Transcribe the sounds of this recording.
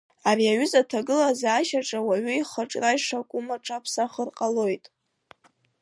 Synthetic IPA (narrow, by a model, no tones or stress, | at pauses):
ariaɥʏzatʰaɡɨlazaːʃaʈ͡ʂʼawaɥʏiχaʈ͡ʂʼrajʂakʷʼumaʈ͡ʂʰʼapʰsaχərqʼalo̞jtʼ